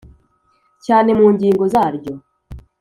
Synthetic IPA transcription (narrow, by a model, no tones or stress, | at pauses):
caːne̞muːɲɟiːŋɡozaːɾɟo̞